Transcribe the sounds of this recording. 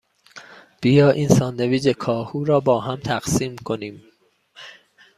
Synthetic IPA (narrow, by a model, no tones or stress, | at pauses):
b̥ijɒːʔiːnsɒːnd̪eviːd͡ʒekʰɒːhuːɾɒːbɒːɦæmt̪ʰæɢsiːmkʰoniːm